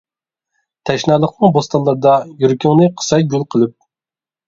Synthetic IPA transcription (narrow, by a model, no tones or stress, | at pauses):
t̪ʰɛʃnɑlˠəqnɨŋbost̪ɑlˠːɑɾd̪ɑjyɾkʲyŋnɨqʰə̥sɛjɡolˠqʰəlˠɨp̚